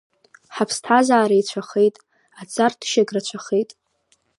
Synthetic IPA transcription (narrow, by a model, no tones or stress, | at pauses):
ħapʰstʰazaːɾait͡ɕʷʰaχe̞jtʼ | at͡sʼartʰʃaɡrat͡ɕʷʰaχejtʼ